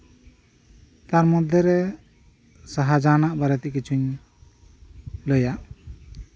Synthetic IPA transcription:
t̪aɾmɔd̪ʱjɔɾɛ | saɦad͡ʒanaʔbaɾɛt̪ɛʔkit͡ʃʰuɲ | lɔjaʔ

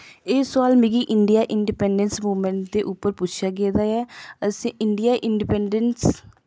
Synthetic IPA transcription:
eːsʊaːlmɪɡiːʔɪɳɖijaːʔɪɳɖipɛːɳɖənsmuːməɳʈ̚d̪eːʔʊpːəɾpʊt͡ʃʰjaːɡeːd̪aːɛːəsĩːʔɪɳɖɪjaːʔɪɳɖipɛːɳɖəns

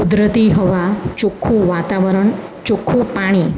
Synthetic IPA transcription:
ud̪ɾət̪iɦəʋat͡ʃukʰːũʋat̪aʋəɾəɳt͡ʃukʰːũpaɽ̃i

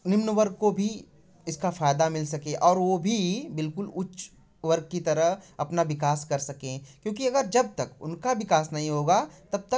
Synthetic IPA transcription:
nɪmnʋɐɾɡ̚kobʱi | ɪskafaːjd̪amɪlsɐkẽʔɔːɾʋobʱibɪlkʊlʊt͡ʃː | ʋɐɾɡ̚kit̪ɐɾəɦɐpnaʋɪkaːskɐɾsɐkẽkjõːkiɐɡəɾd͡ʒɐb̚t̪ɐkʊ̰nkaʋɪkaːsnɐɦĩɦoːɡat̪ɐb̚t̪ɐ

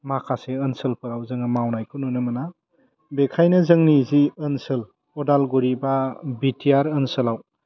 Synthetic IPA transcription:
makʰaseənsɯlpʰɯɾawzɯŋɯmawnajkʰununɯmɐna | bekʰajnɐzɯŋniziənsɯl | ɔdalɡuɾibabitʰiaɾənsəlaw

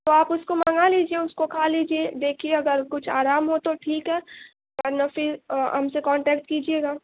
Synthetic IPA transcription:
t̪oaːpʊskomɐŋaliːd͡ʒiẽʊskokʰaːliːd͡ʒied̪eːkʰieɐɡəɾkʊt͡ʃʰaːɾaːmɦot̪oʈʰiːkɦɛː | ɛɾnafɪɾɦɐ̰msekɔ̃ːɳʈɛːkʈkiːd͡ʒieːɡaː

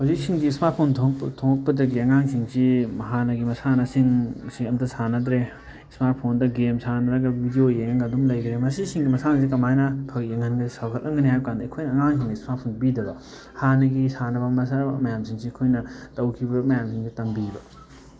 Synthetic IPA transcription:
hozik̚siŋɡiːsmaɾt̚pʰonʰtʰoŋɐk̚pɐdɐɡiɐŋaŋsiŋsimɐɦanɐɡimɐsanɐsiŋsiɐmtɐsʰanɐdɾe | smaɾt̚pʰondɐɡemsʰanɐɾɐɡɐbʱidiojeŋɐŋɡɐdumlɐjdɾemɐsisiŋɡimɐsaŋs̬ikɐmajnɐpʰɐkjeŋɐnɡɐisawkʰɐtlʔɐŋɡɐniɦajbɐkandɐkʰojnɐːŋaŋs̬iŋdiismat̚pʰonbidɐbɐ | hanɐɡisanɐbɐmɐs̬anbɐmɐjamsiŋsikʰojnɐtɐwkʰibɐmɐjamsiŋsitɐŋbibɐ

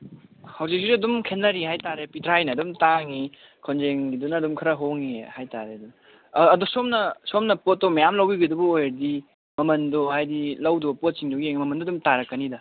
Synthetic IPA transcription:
hawzik̚siɾɐdumkʰenːɐɾiɦajtaɾepitʰɾajnɐːdumtaŋi | kʰonzeŋɡidunɐːdumkʰɾɐɦoŋihajtaɾeɐdunː | dusomnɐsomnɐpot̚ːomɐjamlɐwiɡidubuojɐɾdi | mɐmɐndohajdilɐwdopot̚siŋdoɡieŋmɐmɐndoɐdumtaɾɐkːɐnidɐ

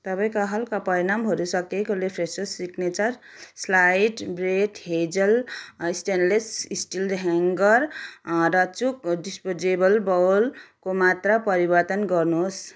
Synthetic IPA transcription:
t̪ʌpaĩkaɦʌlkapʌɾinambʱʌɾusʌkekolepʰɾesosiknet͡sʌɾ | slajʈbɾeʈɦed͡zʌlisʈenlesisʈilɦeŋɡʌɾɾʌt͡sukɖispod͡zebʌlbʌwlkomat̪rapʌɾibʌɾt̪ʌnɡʌrnoɦos

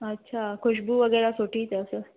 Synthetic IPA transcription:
ətːɕʰakʰuɕbuːʋəɡəjɾasoʈiːt̪əsə

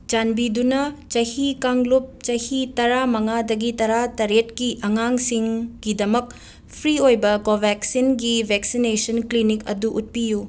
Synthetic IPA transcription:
d͡ʒanbidunɐt͡ʃɐhikaŋlup̚t͡ʃɐhitɐɾamɐŋadɐɡitɐɾatɐɾetkiʔɐŋaŋsiŋɡidɐmɐk̚ | pʰɾiojbɐkobʱeksinɡibʱeksinesɐnklinikɐ̰duʔut̚piju

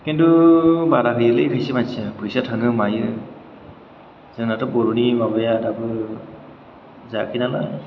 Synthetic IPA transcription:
kintubaɾakʰɯjɯlɯjkʰɯjsemasʰapʰɯjsatʰɯŋɯmajɯ | zɯŋnatɯbɔɾunimabajadabɯ | zakʰinala

